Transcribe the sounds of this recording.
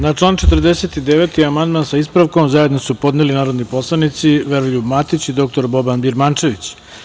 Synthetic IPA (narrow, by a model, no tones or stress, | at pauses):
nat͡ʂlˠaːnt͡ʃe̞t̪rd̪ese̞ːt̪id̪eʋe̞t̪iamand̪mansaispɾaʋko̞mzaje̞d̪nosupo̞d̪nelinaːɾo̞d̪nipo̞slˠanit̪siʋeɾoʎubmat̪it͡ɕid̪o̞k̚t̪o̞ɾbo̞banbiɾmant͡ʃe̞ʋit͡ɕ